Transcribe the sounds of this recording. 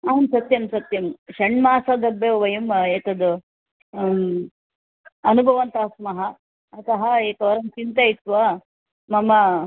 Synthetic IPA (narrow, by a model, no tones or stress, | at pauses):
ɐɦɐmsɐt̪jɐmsɐt̪jɐmʃɐɳmaːsɐd̪ɐbeʋʋɐjumeːt̪ɐd̪u | ɐnubʱɐʋɐnt̪ɐɦɐsmɐɦɐ | ɐt̪ɐɦɐeːt̪ɐːɾɐmt͡ʃint̪ɐit̪ːʋɐ | mɐmɐ